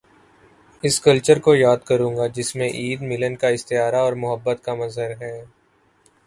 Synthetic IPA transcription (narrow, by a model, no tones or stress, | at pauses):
ɪskɐlt͡ʃəɾkojaːd̪kɐɾũːŋɡad͡ʒɪsmẽʔiːd̪mɪlənkaɪst̪ɪɦaːɾaɔːɾmʊɦəbːət̪kamɐzɦəɾɦɛ̃ː